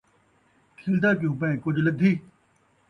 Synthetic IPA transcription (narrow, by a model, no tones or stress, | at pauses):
kʰeːld̪aːk̬ijũːpɐ̃ẽːkʊd͡ʑʱlɐɡ̚d̪ʱiː